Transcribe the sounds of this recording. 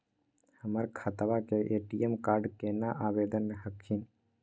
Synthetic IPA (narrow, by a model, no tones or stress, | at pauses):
həməɾkʰət̪aʋakeʔeːʈijemkaːɾɖkenaʔaːbeːd̪ənmẽɦəkʰːin